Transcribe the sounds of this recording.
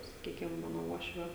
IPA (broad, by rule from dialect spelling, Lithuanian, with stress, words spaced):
sɐˈkʲiːkʲɪm ˈmɑːnoː ˈuɔʃʲʋʲoː